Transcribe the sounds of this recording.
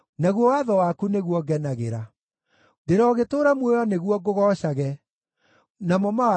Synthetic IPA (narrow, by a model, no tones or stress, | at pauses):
naɣwɔwaðɔwakuneɣwɔɡɛnaɣḛɾa | deɾɔːɣetoːɾamwejɔneɣwɔɡoɣɔɕaɣɛ | namɔmaa